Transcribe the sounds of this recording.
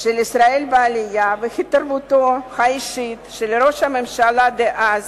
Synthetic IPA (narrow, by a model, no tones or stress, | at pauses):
ʃelisɾaelbealɪjavexit̪aɾbut̪oxaiʃit̪ʃelɾo̞ʃhamemʃalad̪eʔaz